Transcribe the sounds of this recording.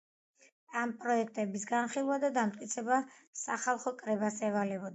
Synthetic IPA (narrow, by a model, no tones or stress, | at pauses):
ampʼɾɔɛk̚ʰt̪ʼɛbisɡanχilˠuad̪ad̪amt̪ʼkʼit̪sʰɛbasaχalˠχɔkʼɾɛbasɛvalɛbɔd̪a